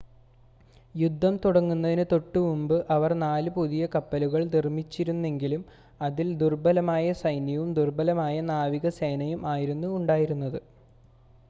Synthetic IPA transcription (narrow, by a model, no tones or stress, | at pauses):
jud̪ʱːɐmt̪uɽɐŋːunːɐðinɨt̪o̞ʈːɨmumbɨʔɐʋɐrnaːlɨpuðijɐkɐpːɐluɣɐɭnirmːit͡ɕːiɾunːe̞ŋɡilum | ɐðild̪urbɐlɐmaːjɐsɐjnjɐʋumd̪urbɐlɐmaːjɐnaːʋiɣɐse̞ːnɐjumʔaːjiɾunːuːɳɖaːjiɾunːɐðɨ